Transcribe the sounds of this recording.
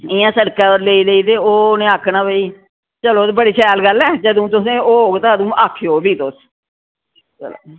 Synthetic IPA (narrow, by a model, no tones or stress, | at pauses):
ɪjãːsəɽkãːoɾleːiːleiːt̪eːoːnẽːaːkʰnãːbəiː | t͡ʃəloːt̪ːbəɽiːt͡ʃʰɛːlɡəlɛːd͡ʒəd̪ũːt̪ʊsẽːoːɦoːɡt̪ãːd̪ũːʔaːkʰjoːbiːt̪ʊs | t͡ʃəlo̰